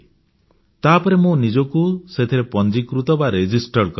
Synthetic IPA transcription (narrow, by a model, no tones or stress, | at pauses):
t̪aɦpɔɾemonid͡ʒɔkuset̪ʰiɾepɔnd͡ʒikɾut̪ɔbaɾed͡ʒisʈɔɾkɔ